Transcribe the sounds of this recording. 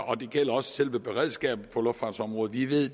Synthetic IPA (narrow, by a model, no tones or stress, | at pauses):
ɒ̽d̥e̝ɡ̥el̰ɐɒ̽sə̥selʋəb̥e̝ʁɛð̞̰ˠsɡ̥ɛ̰ːb̥̩pʰɒ̽lɔ̽fd̥fɑ̥̈sɒ̽mʁɔ̽ːð̩ˠʋiʋe̝ð̰ˠ